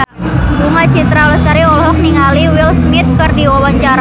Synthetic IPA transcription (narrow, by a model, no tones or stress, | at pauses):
dumat͡ʃit̪ɾaləst̪aɾiɔlɦɔk̚niŋaliwilsmit̪̚kɨrdiwawaɲt͡ʃaɾ